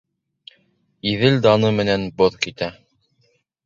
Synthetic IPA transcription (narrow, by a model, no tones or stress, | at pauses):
iðɘld̪ɑnɤmɘ̆nænboðkit̪æ